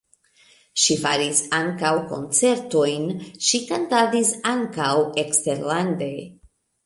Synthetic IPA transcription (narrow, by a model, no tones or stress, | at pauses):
ʃifaɾisaŋkawko̞̰nt͡se̞ɾto̞jnʃikantadisaŋkawe̞kste̞ɾlande̞